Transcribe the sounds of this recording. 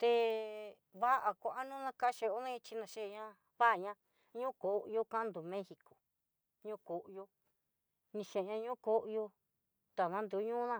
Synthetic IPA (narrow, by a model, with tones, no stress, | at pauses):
t̪e˧ | βa˦ʔa˧kʷa˨ʔa˦nũ˦nã˧ka˦ʃe˧o˦nã˦ĩ˧t͡ʃi˧nã˧ʃe˦˧ɲã˦ | βa˦ʔa˨ɲã˧˦ | ɲũ˦ko˨˧jo˧kã˦nd̪u˨mẽ˦hi˧ko̥˨ | ɲũ˦ko˨ʔjo˧ | nĩ˧ʃẽ˨ɲã˧ɲũ˦ko˦ʔjo˧ | t̪a˨nã˦nd̪u˧˨˦ɲũ˦nã˦˧